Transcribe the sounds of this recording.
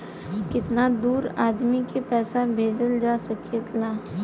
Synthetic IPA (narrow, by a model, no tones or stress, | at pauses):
kɪt̪nad̪uːɾad̪mikepɛsabʱed͡zəld͡ʒasəkʰit̪la